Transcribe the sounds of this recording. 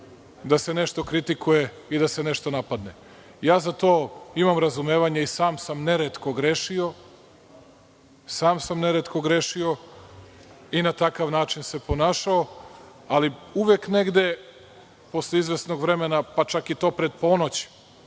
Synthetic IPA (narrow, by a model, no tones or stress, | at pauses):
d̪ase̞neʃt̪o̞kɾit̪ikuje̞ | id̪ase̞neʃt̪o̞napad̪nḛ | jaːzat̪o̞ːimamɾazumeːʋaɲaisaːmsamneɾet̪ko̞ɡɾeʃio | saːmsamneɾet̪ko̞ɡɾeʃio̞ | inat̪akaʋnaːt͡ʃinse̞po̞naːʃao | aliuʋekne̞ɡd̪e̞ | po̞sleizʋesno̞ɡʋɾe̞menapat͡ʃakit̪o̞ːpɾe̞d̪̚po̞ːnot͡ɕi̥